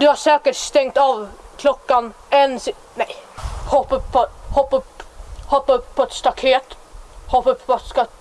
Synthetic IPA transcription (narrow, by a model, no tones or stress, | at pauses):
d̪ɵhaʂɛːkəʈst̪ɛŋkt̪ɑvkʰlɔkːan | ɛnsɪ | nɛjhɔpːəpʰɔhɔpːəphɔpːpʰɔɛt̪st̪akʰeːt̪hɔpːəpʰːt̪skɑ